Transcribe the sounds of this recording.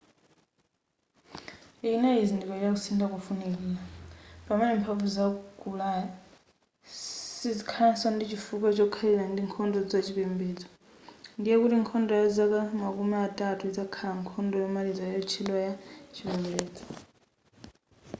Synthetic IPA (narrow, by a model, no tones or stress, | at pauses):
inaizindikɔjakusindakufunɛlilapʼamɛnɛmpʰavuzaɡʱulaja | sizikʰaasɔndit͡ʃʰifuk̬at͡ʃɔkʰalilandiŋkʰɔndɔd͡zat͡ʃʰipɛmbɛːd͡zɔ̥ | ndijɛkutiŋkʰɔndɔjɔzakamakumiatʼatʰuid͡zakʰalaŋkʰɔndɔjɔmalid͡zajɔt͡ʃʰilɔjat͡ʃʰipɛmbɛːd͡zɔ̥